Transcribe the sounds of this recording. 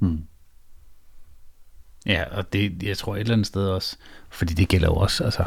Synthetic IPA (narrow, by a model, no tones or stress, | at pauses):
jæʔɒ̽d̥e̝jɑɪt͡sʰʁo̝ɐ̰e̝dlænð̩sd̥eð̞ˠɒ̽sfɒ̽d̥ḭːd̥e̝ɡ̥el̰ɐ̰jo̝ɒ̽sælsə